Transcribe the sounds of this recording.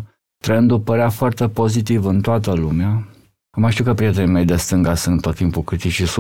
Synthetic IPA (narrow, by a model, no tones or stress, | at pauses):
t̪ɾəɨnd̪upəɾeafoart̪e̞po̞zit̪ivɨnt̪oat̪əlumea | məjʃt̪iukəpɾije̞t̪enime̞jd̪e̞st̪ɨŋɡasɨnt̪ːot̪ːimpulkɾit̪it͡ʃis